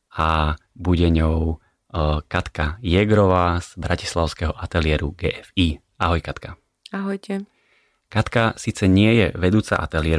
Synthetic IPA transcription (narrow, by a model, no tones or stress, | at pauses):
abuɟɛɲɔʊ | kat̪kajɛɡɾɔʋaːz̥bɾaci̥slaʊskɛɦɔʔat̪ɛlɪɛɾuɡɛ̰ːʔɛfiː | aɦɔjkat̪ka | aɦɔjcɛ | kat̪kasiːt͡sɛɲɪɛjɛʋɛd̪uːt͡sa̰ʔa̰t̪ɛlɪɛɾ